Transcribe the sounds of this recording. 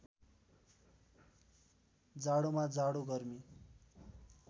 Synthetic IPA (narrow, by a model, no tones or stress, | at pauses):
d͡zaɽumad͡zaɽuɡʌrmi